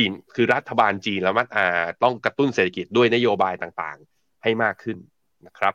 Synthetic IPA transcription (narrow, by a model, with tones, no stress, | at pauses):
t͡ɕiː˧nkʰɯː˧ɾa˦˥t̪ʰːa˧baː˧nt͡ɕiː˧nlɛ˦˥wma˦˥t̪̚ʔaː˨˩t̪ɔ˥˩ŋkɾa˧t̪u˥˩nseː˨˩t̪ʰːa˧ki˨˩t̪̚du˥˩əjna˦˥joː˧baː˧jt̪aː˨˩ŋt̪a̰ː˨˩ŋ | ha˥˩jmaː˥˩kʰːɯ˥˩nː | a˦˥kʰɾa˦˥p̚